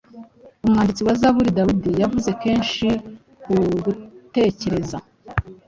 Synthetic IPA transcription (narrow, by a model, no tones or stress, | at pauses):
umŋaːndit͡siwazaβuɾidawidijavuze̞ke̞ːnʃi | kuɡute̞ce̞ɾe̞za